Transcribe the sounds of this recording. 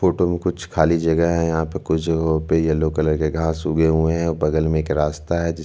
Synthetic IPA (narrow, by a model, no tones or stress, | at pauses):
foːʈomẽkʊt͡ʃʰkʰaːlid͡ʒɐɡəɦɛ̃jɐɦãpɐkʊt͡ʃʰɡopejaloːkələɾkeɡʱaːsʊɡeɦʊẽɦɛ̃obɐɡəlmẽeːkɾaːst̪aɦɛd͡ʒɪ